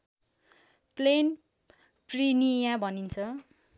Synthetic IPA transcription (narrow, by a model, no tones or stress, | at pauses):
plen | prinijãbʱʌnint͡sʰʌ